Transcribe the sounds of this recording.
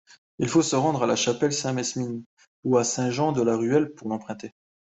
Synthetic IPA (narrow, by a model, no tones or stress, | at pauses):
ilfosəʁɑ̃d̪ʁalaʃapɛlsɛ̃mɛsmin | uasɛ̃ʒɑ̃d̪əlaʁyɛlpuʁlɑ̃pχɛ̃t̪e